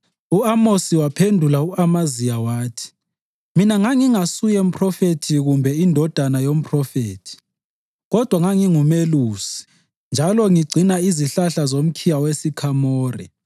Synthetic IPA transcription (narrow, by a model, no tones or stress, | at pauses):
uamosiwapʰendʱulauamazijawaːtʰi̥ | minaŋaŋiŋasujɛm̩pʰʼrɔfetʰiɣumbʱɛindʱɔd̥ʱanajom̩pʰʼrɔfeːtʰi̥ | ɣɔd̥ʱwaŋaŋiŋumeluːsi̥ | nd͡ʒʱalɔŋiɡ͡ǀʱinaiziɬaɬazom̩kʰijawesikʰamɔːrɛ̰